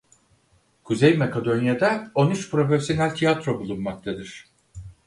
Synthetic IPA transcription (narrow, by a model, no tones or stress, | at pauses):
kʰuzejmakʰad̪o̞njad̪ɛo̞nyt͡ʃpʰɾo̞feɾsʲjonælʲt̪ʰijat̪ɾo̞bulˠunmak̚t̪ʰad̪ɯɾ̥